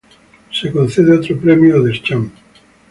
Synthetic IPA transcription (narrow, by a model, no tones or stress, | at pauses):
sekon̟θeð̞eot̪ɾopɾɛmjoðest͡ʃaŋ